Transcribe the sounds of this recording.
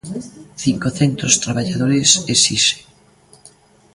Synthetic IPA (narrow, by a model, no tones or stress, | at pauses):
θiŋkoθent̪ɾost̪ɾaβaʎaðoɾesesise̥